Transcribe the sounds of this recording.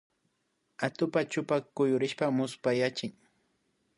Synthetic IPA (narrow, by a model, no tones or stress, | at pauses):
at̪ʊpat͡ʃʊpakʊjʊɾɪʃpamʊspajat͡ʃɪŋ